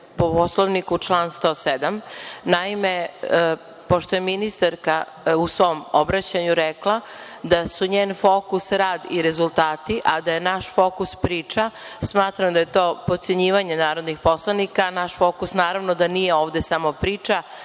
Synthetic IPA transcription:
poposlˠoʋnikut͡ʃlˠaːnst̪o̞ːsed̪amnaime | po̞ʃt̪ojeminist̪aɾka | usʋo̞mobɾat͡ɕaɲuɾeklˠa | d̪asuɲeːnfokusɾaːd̪iɾe̞zulˠt̪aːt̪iʔad̪aje̞naʃfo̞ːkuspɾiːt͡ʂasmaːt̪ɾamd̪aje̞t̪oːpot̪se̞ɲiːʋaɲenaːɾod̪nixpo̞slˠanikanaʃfo̞ːkusnaːɾaʋnod̪anije̞oːʋd̪esamo̞pɾiːt͡ʃa

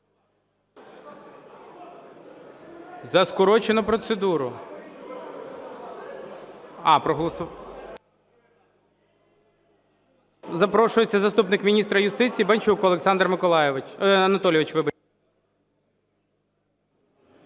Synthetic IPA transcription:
zɐskʊɾɔt͡ʃenʊpɾɔt̪sed̪uɾʊ | ɑpɾɔɦɔlˠɔs | zɐpɾɔʃʊjet͡sʲːɐzɐst̪upnɪkmʲinʲist̪ɾɐjʊst̪ɪt͡sʲijːbɐnʲt͡ʃukʊɐlˠeksɑnd̪rmɪkɔlˠɑjɐnɐt̪ɔlʲjɪʋɪt͡ʃʋɪbɐ

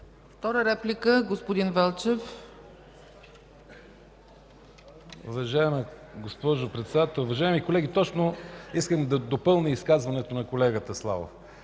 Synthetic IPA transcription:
ft̪ɔɾəɾɛplikəɡospod̪invɛlˠt͡ʃɛf | ṵvɐʒaɛmɛɡospɔʒʊpɾɛt̪sɛd̪at̪ɛlˠuvɐʒaɛmikolɛɡ̟it̪ɔt͡ʃnoiskəmd̪ɐd̪opɤlˠniiskazvɐnɛt̪onɐkolɛɡət̪əslˠa̰vo̰f

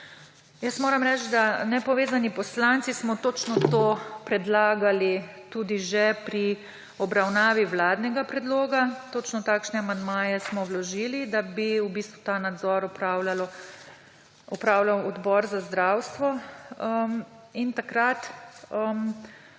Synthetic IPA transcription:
jəsmoːɾamɾɛt͡ʃ̪d̪anɛpɔʋeːzanipɔslant̪sismɔt̪oːt͡ʃnɔt̪oːpɾɛd̪laːɡalit̪uːd̪iʒɛpɾi | ɔbɾawnaːʋiwlaːd̪nɛɡapɾɛd̪loːɡat̪oːt͡ʃnɔt̪aːkʃnɛamand̪maːjɛsmɔwlɔʒiːlid̪abiubist̪ʋut̪aːnad̪zɔɾɔpɾaːwlalɔ | ɔpɾaːwlawɔd̪bɔːɾzazd̪ɾawst̪ʋɔəm | int̪akɾat̪əm

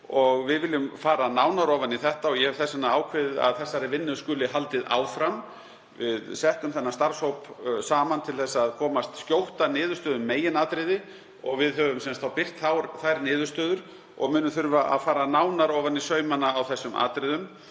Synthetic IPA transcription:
ɔɣvɪðvɪljʏmfaːɾanaːwnaɾɔːvanːiθɛht̪aɔɣjɛhɛvθɛsːanːaaːwkʰvɪðɪða̰ðθɛsːaɾɪvɪnːʏskʏːlɪɦalt̪ɪða̰ːwfɾam | vɪðsɛhtk̪ʏmθɛnːast̪aɾ̥showpsaːmant̪ʰɪlθɛsːaːðkʰɔːmast̪skjowht̪anɪːðʏ̥ɾst̪œːðʏmːeːjɪnaːt̪ɾɪðɪ | ɔɣvɪðɦœːvʏmsɛnst̪θawpɪr̥t̪θawɾθajɾnɪːðʏ̥st̪œːðʏɾ̥ | ɔ̰ɣmʏːnʏmθʏɾvaʔa̰ðfaːɾanaːwnaɾɔːvanːisœːɥmanːaːwθɛsːʏmʔa̰ːt̪ɾɪðʏm

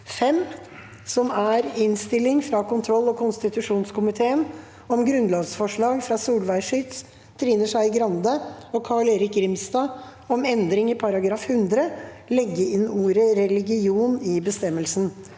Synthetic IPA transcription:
fɛm | sɔmæɾɪnst̪ɪlɪŋfɾɑkʊnt̪ʰɾɔlːɔkʰʊnst̪ɪt̪ʉʂuːnskʊmɪt̪ʰeːən | ɔmɡɾʉnlɑːɡsfɔʂɭɑːɡfɾɑsuːlʋæɪʂʏt̪s | t̪ʰɾiːnəʂæɪɪɡɾɑnd̪əɔkʰɑːɭeːɾɪk̚ɡɾɪmst̪ɑː | ɔmɛnd̪ɾɪŋɪpʰɑɾɑɡɾɑːfhʉnd̪ɾə | lɛɡːəɪnuːɾəɾɛlɪɡɪuːnɪbəst̪ɛmːəlsn̩

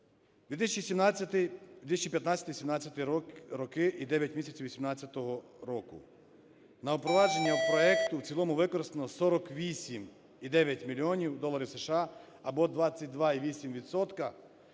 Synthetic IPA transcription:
d̪ʋʲit̪ɪsʲt͡ʃisʲimnʲɪt̪ɪsʲt͡ʃʲipʲjɐt̪nɑt͡sʲɐt̪ɪʋisʲimnɑt͡sʲjɐt̪ɪɾɔkɪʔid̪ɛʋʲjɐtʲmʲisʲɐt͡sʲiwʋisʲimnɑt͡sʲːɐt̪ɔɦɔ | ɾɔkʊ̰ | nɐɔpɾɔʋɑd͡ʒe̞nʲːɐpɾɔɛkt̪ʊwt͡sʲilˠɔmʊʋɪkɔɾɪst̪enɔsɔɾɔkʋʲisʲim | id̪ɛʋʲjɐtʲmʲilʲiɔnʲiwd̪ɔlˠɐɾʲiwseʃɑ | ɐbɔd̪ʋɑt͡sʲːɐt̚ʲd̪ʋɑiʋʲisʲimʋʲit̪sɔt̪kɐ

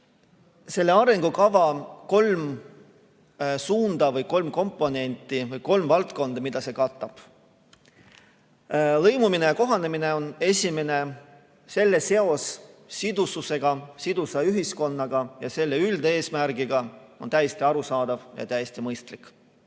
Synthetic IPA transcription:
se̞lːe̞ɑɾe̞ŋɡ̥ukɑvɑko̞lm | suːnd̪̥ɑvɤjko̞lmko̞mpːˑo̞ne̞nʲt̪ːˑivɤjko̞lmvɑlt̪ko̞nd̪̥ɑmid̪̥ɑse̞kɑt̪ːˑɑb̥ | lɤjmuminejɑko̞ɦɑnemine̞o̞ne̞sʲime̞ne̞ | se̞lːe̞se̞o̞sː | id̪ususe̞ɡ̥ɑsid̪usɑyɦisko̞nːɑɡ̥ɑjɑse̞lːe̞yld̪ee̞ːsmæɾɡ̥iɡ̥ɑo̞nt̪æjest̪iɑɾusɑːd̪ɑvjɑ̰t̪æjest̪imɤjst̪likːˑ

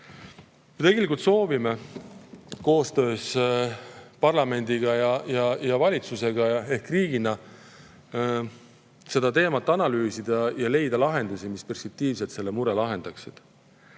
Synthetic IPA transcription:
kyt̪eɡelik̬ˑult̪so̞ːvime | ko̞ːst̪ø̞ːs | pɑrlɑme̞nʲd̪̥iɡ̥ɑjɑjɑjɑvɑlʲit̪suse̞ɡ̥ɑe̞hkːriːɡ̥inɑ | se̞d̪̥ɑt̪e̞ːmɑt̪ːˑɑnɑlyːsid̪̥ɑjɑle̞jd̪̥ɑlɑɦe̞nd̪̥usimispe̞rspek̚t̪iːvset̪se̞lːemuɾelɑɦe̞nd̪̥ɑksid̪̥

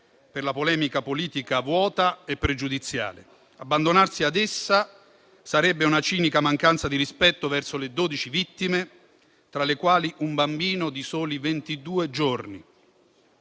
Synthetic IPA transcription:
perlapolɛːmikapoliːt̪ikavwɔːt̪aɛpːɾed͡ʒud̪it̪sːja̰ːle | abːand̪onarsiad̪ɛsːa | saɾɛbːeunat͡ʃiːnikamaŋkant̪sad̪iɾispɛt̪ːovɛrsoled̪oːd̪it͡ʃivit̪ːime | t̪ɾalekwaːliʔumbambiːnod̪isoːlivent̪id̪uːed͡ʒorni

